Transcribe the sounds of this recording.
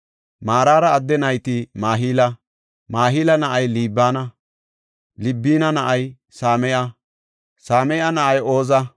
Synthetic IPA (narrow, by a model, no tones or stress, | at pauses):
maːɾaːɾɐːd̪ːɛnɐjt̪imaːɦiːlɐ | maːɦiːlɐnɐʔɐjliːbːaːnɐ | lɪbːiːnɐnɐʔɐj | saːmɛjɐ | saːmɛjɐnɐʔɐjoːzɐ